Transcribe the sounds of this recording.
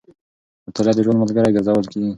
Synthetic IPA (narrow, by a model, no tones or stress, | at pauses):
ət̪alɑd̪əʒwanmalɡaɾajɡɪɾzawəlkiɡi